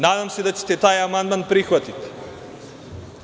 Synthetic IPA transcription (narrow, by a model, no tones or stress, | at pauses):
naːd̪amsed̪at͡ɕe̥t̪et̪aːjamand̪manpɾixʋat̪it̪i̥